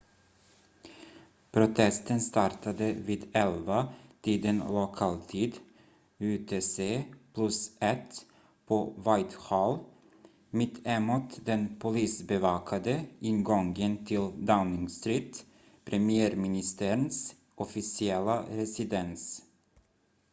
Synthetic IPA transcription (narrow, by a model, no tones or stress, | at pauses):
pʰɾʊt̪ʰɛst̪ənst̪ɑɾʈʰad̪əviːd̪ɛlvat̪ʰiːd̪ənlʊkʰɑːlt̪ʰiːd̪ | ʉt̪ʰeːseːpʰlɵsɛt̪ | pʰovajt̪hɑːl | mɪt̪ʰːɛmut̪d̪ɛnpʰʊliːsbɛvɑːkʰad̪əʔɪnɡɔŋɡənt̪ʰɪld̪aʊnɪŋst̪ɾiːt̪ | pʰɾɛmɪæːɾmɪnɪst̪əɾəns | ʔɔfɪsɪɛlːaɾɛsɪd̪ɛns